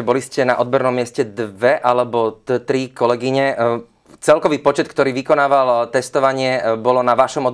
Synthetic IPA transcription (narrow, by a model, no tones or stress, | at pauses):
bɔliscɛnaʔɔd̪̚bɔɾnɔmːɪɛscɛd̪ʋɛʔalɛbɔt̪t̪ɾikɔlɛɡiɲɛ | t͡sɛlkɔʋiːpɔt͡ʃɛt̪kt̪ɔɾiːʋikɔnaːʋalt̪ɛst̪ɔʋaɲɪɛbɔlɔnaʋaʃɔmɔd̪